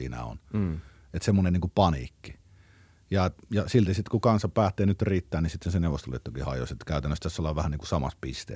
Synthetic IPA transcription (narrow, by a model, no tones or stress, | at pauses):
ḭːnæ̰o̰n | et̪semːoneniːŋkupɑnḭːkːi | jɑetjɑsilt̪isit̪kukɑnsɑpæːt̪ːˑeːnyt̪riːt̪ːæːnnisit̪ːenseneʋˑost̪oliet̪ːukihɑ̰jo̰set̪kæˑyt̪ænːøst̪æsːolːˑɑʋʋæhæniːŋkusɑmɑ̰spist̪ḛ